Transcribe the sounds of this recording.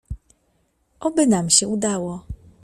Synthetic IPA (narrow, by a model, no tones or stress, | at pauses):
ɔbɘnamɕɛud̪awɔ